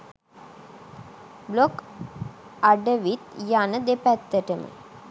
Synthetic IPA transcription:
blok | aɖəʋit̪janəd̪epæt̪ːəʈəmə̰

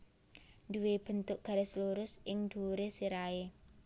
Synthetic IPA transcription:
nduweb̥ə̤nt̪ʊʔɡ̥a̤ɾesluɾʊsɪŋd̪̥uɾesiɾae

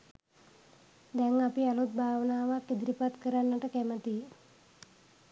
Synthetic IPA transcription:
d̪ɛŋapialut̪̚bʱaːʋnaːʋakːid̪ɾipat̪kəɾanːəʈəkɛmət̪i

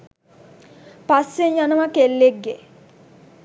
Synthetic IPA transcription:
pasːeɲjanɐʋakelːeɡːe

